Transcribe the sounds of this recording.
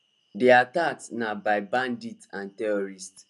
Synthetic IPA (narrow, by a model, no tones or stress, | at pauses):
deataktnabaɪbãnditãntɛɹɔɹist